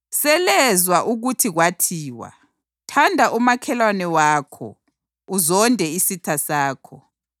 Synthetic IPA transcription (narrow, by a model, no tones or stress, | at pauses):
sɛlɛzwaʔuɣutʰiɣwatʰiːwa̰ | tʰandʱaʔumakʰɛlwanɛwaːkʰɔ̰ | uzɔndʱɛisitʰasaːkʰɔ